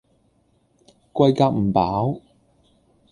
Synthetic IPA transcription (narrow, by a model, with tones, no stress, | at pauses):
kʷɐ˧jkaː˧k̚m̩˨˩paː˨˥w